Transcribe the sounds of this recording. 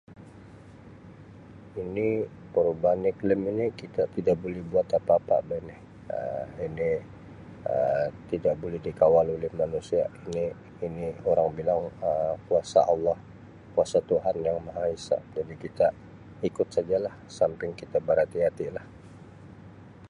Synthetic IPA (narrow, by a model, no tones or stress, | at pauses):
inipəɾubanikləminikit̪at̪idaʔbolɛhbuat̪apaːpa̰ʔbajnɛh | ə̰ini | ə̰t̪idaʔbolɛhdikawalolɛhmanusiainiː | nioɾaŋbilaŋəmkuasa̰ʔɑlːɑh | kuasat̪uɦanjaŋmaɦaisa̰ʔd͡ʒadikit̪a | ikʊt̪̚sad͡ʒalahsampɪŋkit̪abəɾat̪iɦat̪ilah